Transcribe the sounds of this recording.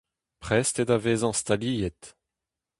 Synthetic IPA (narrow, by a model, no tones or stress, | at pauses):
pχɛst̪ed̪aveːzɑ̃st̪aliːjɛt̪